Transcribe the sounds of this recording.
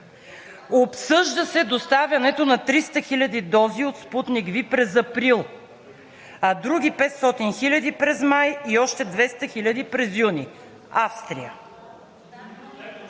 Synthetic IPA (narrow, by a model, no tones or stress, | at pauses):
opsɤʒd̪əsɛd̪ost̪avʲjɐnɛt̪onɐt̪ɾist̪əxilʲɐd̪id̪ɔziot̪sput̪niɡvipɾɛzɐpɾilˠ | ɐd̪ɾuɡipɛt̪st̪ɔt̪inxilʲɐd̪ipɾɛzmajiɔʃt̪ɛd̪vɛst̪ɐxilʲɐd̪ipɾɛzjuni | afst̪ɾḭjə